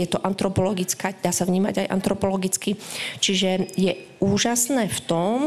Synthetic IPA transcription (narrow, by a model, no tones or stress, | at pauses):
jɛt̪ɔʔant̪ɾɔpɔlɔɡit͡skaːd̪aːsavɲiːma̰ɟajʔa̰nt̪ɾɔpɔlɔɡit͡skit͡ʃiʒɛjɛ | uːʒasnɛːft̪ɔm